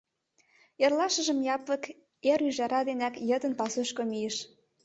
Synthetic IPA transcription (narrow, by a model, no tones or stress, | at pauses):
erlɑʃə̆ʒə̆mjɑplə̆k | eɾyʒæɾɑd̪enækjə̆d̪ə̆npɑsoʃkomijeʃ